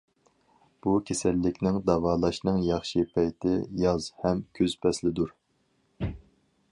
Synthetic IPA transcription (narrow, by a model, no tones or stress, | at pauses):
b̥ukʲʰesɛlːɪkʲnɪŋd̪ɑvɑːlˠɑʃnɨŋjɑχʃɨpʰɛjt̪ʰɪjɑzhɛmkʲʰøzpʰɛslɪd̪uɾ